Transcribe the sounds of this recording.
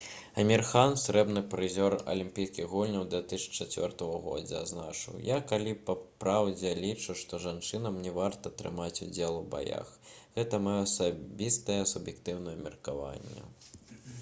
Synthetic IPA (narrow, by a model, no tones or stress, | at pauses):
ɐmʲirxansɾɛbnɨpɾɨzʲɔrɐ̰lʲimʲpʲijskʲiɣɣulʲnʲɐwd̪vʲɛt̪ɨst͡ʂat͡sʲvʲɔrt̪ɐɣɐɣɔ̰d͡zʲɐ̰aznat͡ʂɨ̰wjakalʲipɐpɾawd͡zʲɛlʲit͡ʂuʂt̪ɔʐant͡ʂɨnɐmnʲɛvart̪ɐt̪ɾɨ̰mat͡sʲud͡zʲɛlˠuba̰ja̰xɣɛt̪ɐmajɔɐsabʲist̪ɐjɛsubjɛkt̪ɨwnɐjɐmʲɛrkava̰nʲːɛ̰